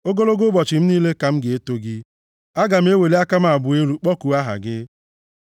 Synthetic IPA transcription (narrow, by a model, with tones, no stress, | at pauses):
o˦ɡo˦lo˦ɡo˦bɔ˨t͡ʃɪ˨m̩˦niː˦le˦ka˨m̩˦ɡɪ˨e˦to˦ɡɪ˦ | a˦ɡa˨m̩˦e˦we˨li˦a˦ka˦m˦˨a˨bʊ˨e˦ɾu˦k͡pɔ˦ku˨a˦ɦa̰˨ɡɪ˦